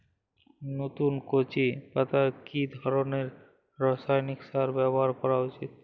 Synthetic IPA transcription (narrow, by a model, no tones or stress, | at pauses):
not̪unkot͡ɕipat̪akid̪ʱɔɾoneɾ | ɾɔsajniksaɾbɛbɔɦaɾkɔɾaut͡ɕit̪̚